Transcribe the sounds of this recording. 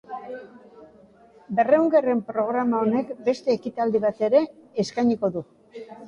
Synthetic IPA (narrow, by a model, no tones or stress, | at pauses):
be̞reuŋɡere̞mpɾo̞ɣ̞ɾamao̞ne̞kbe̞st̪e̞ːkit̪ald̪iβ̞at̪e̞ɾe̞ːskajɲiko̞ðu